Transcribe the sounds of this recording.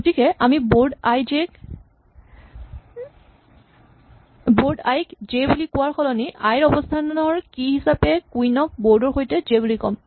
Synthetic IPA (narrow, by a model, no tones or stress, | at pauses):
ɡotikɛʔamibodajzɛk | boɹdajkzejbulikʊwaɹxʰɔlɔniʔajɹɔbɔstʰanɔɹkihisapɛkujnɔk̚bɔɹdɔɹxojtɛzebulikɔ̰m